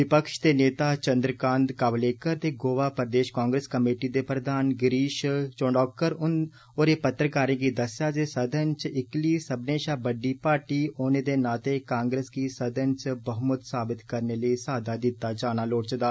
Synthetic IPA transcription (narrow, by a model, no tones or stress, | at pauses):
ʋɪpəkʃt̪eːneːt̪aːt͡ʃənd̪ɾəkãːnd̪kaːʋleːkəɾt̪eːɡoːʋaːpɾəd̪eːʃkãːŋɡɾeːskəmeːʈiːd̪eːpɾəd̪aːnɡɪɾiːʃt͡ʃoːɳɖɔːk̚kːəɾʊn | oːɾeːpət̪ːɾəkaːɾẽːɡiːd̪əsjaːd͡ʒeːsəd̪ʱənt͡ʃɪkliːsəbneːʃaːbəɖiːpaːɾʈiːoːneːd̪eːnaːt̪eːkãːŋɡɾeːskiːsəd̪ʱənt͡ʃbəɦmʊt̪saːbɪt̪kəɾneːləisaːd̪ʱaːd̪ɪt̪ːaːd͡ʒaːnaːloːʈt͡ʃd̪aː